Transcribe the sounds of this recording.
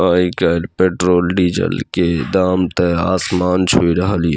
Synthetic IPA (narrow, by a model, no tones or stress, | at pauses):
aːikaɾpeːʈɾoːlɖiːd͡ʒə̰lked̪aːmt̪eaːsmaːnt͡ʃʰuiɾəɦəlḭ